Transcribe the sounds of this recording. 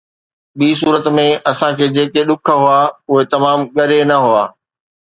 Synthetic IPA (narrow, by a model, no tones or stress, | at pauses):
ɓiːs̬uːɾət̪mẽɐsãkʰeːd͡ʑeːkeɗʊkʰə̆ɦʊaːʊɦet̪ɐmaːmɠɐɾenɐɦʊaː